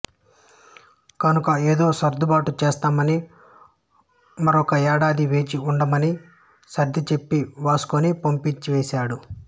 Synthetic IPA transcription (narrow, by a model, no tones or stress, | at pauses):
kɐnukɐeːd̪o̞ːsɐɾd̪ʱubaːʈut͡ʃeːst̪aːmɐni | mɐɾɔkɐɛːɽaːd̪iʋeːt͡ʃiuɳɖɐmɐni | sɐɾd̪ʱit͡ʃe̞pːiʋaːsu̥konipɐmpiɲt͡ʃiʋeːsaːɽu